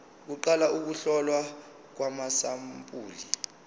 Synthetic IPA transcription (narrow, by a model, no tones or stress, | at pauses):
k̬uǃalauk̬uɬɔlwa | k̬wamasampʼuːli